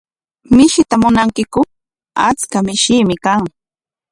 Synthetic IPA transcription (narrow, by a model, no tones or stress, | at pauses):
mɪʃɪt̪amʊnaŋkɪkʊ | at͡skamɪʃɪːmɪkaŋ